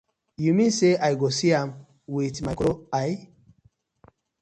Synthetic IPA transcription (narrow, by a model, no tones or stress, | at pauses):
jumĩnseʔajɡosiãm | witmakoaj